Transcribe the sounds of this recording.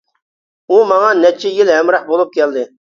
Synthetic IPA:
umɑŋɑnɛt͡ʃʰːɛjilɦɛmɾɑqbolˠup̚kʲɛld̪ɪ

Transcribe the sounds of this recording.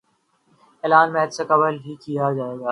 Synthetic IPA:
eːlaːnmɛːd̪sekɐbəlɦikijad͡ʒaːeːɡaː

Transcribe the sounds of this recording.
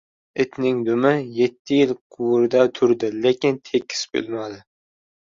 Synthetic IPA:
ɪt̪nɪŋd̪umɪjet̪ʰːɪjɪlqʰʊwɾd̪ɛt̪ʰʊɾd̪ɪlekʲɪnt̪ʰekʲʰːi̥sbø̰lmɑd̪ɪ

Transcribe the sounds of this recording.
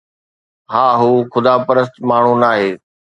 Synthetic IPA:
ɦaːɦuːxʊd̪aːpəɾəs̬t̪maːɳ̤unaːɦeː

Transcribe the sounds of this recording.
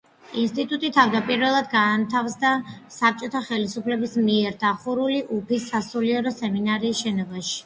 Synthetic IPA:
inst̪ʼit̪ʼut̪ʼit̪ʰavd̪apʼiɾvɛlˠad̪ɡaːnt̪ʰafsd̪asap̚ʰt͡ʃʼɔt̪ʰaχɛlisupʰlɛbismiɛɾd̪aχuɾuliʔupʰisːasuliɛɾɔsɛminaɾiːsʃɛnɔbaʃi̥

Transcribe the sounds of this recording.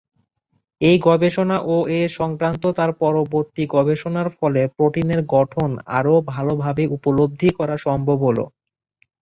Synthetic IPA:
ejɡɔbeʃonaʔoʔeʃɔŋkɾant̪ot̪aɾpɔɾoboɾt̪iɡɔbeʃonaɾfɔlepɾoʈineɾɡɔʈʰona̰ɾobʱalobʱabeʔupolob̚d̪ʱikɔɾaʃɔmbʱobɦolo̰

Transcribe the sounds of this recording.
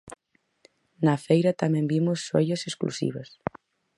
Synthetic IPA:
nɐfejɾɐt̪amɛ̃mbimʊsːojɐsesklṵsḭβɐs

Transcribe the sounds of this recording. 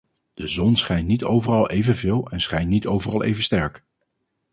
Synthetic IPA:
d̥əzɔnsχɛjntnitowvərɑlˠʔejvənvɪːlˠɛnsχɛjntnitowvərɑlˠʔḛjvənstɛɹk

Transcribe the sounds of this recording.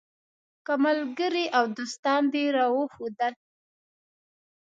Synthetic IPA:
kamalɡəɾiʔawd̪ost̪ɑnd̪eɾɑwəxod̪əl

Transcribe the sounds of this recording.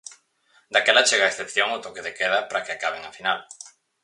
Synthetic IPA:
d̪akɛlat͡ʃeɣaesθepθjoŋot̪okeðekeðapɾakeakaβ̞eŋafinal

